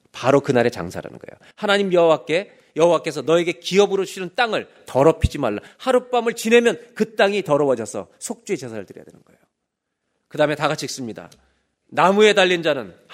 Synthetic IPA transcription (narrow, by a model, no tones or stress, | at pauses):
paɾokɯnaɾe̞t͡ɕa̰ŋsʰa̰ɾa̰nɯ̰nɡʌḛjo̰ | hanaɲimjʌɦowak͈e̞ | jʌɦowak͈e̞sʰʌnʌe̞ɡe̞kiʌbɯɾouɕʰinɯnt͈aŋɯɭ | tʌɾʌpʰid͡ʑimaɭːa̰haɾup͈amɯɭt͡ɕine̞mjʌnkɯt͈aŋitʌɾʌwʌd͡ʑʌsʰʌ̰sʰok̚t͡ɕ͈ue̞t͡ɕesʰaɾɯɭtɯɾḭja̰dwenɯnɡ̥ʌḛjo | kɯdame̞taɡat͡ɕʰik̚s͈ɯmɲida̰ | namue̞daʎːind͡ʑanɯn